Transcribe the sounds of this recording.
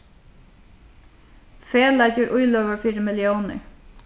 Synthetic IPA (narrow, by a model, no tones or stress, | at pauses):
feːlajcəɾʔʊjlœːʋəɹfiːɾəmɪljownə̰ɹ